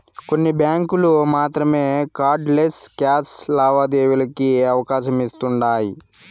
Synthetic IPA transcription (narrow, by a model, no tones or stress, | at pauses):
ko̞nːibjaːŋkulumaːt̪ɾɐme̞ːkaːɾɖleskaːslaːʋaːd̪eːʋulɐkiɐʋɐkaːʃɐmist̪uɳɖaːji